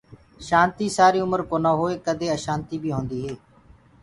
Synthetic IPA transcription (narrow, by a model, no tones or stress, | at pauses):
ʃaːnt̪iːsaːɾiːʊməɾkoːnaɦoːeːkəd̪ʱeːəʃaːnt̪iːbʱiːɦõːnd̪iːɦeː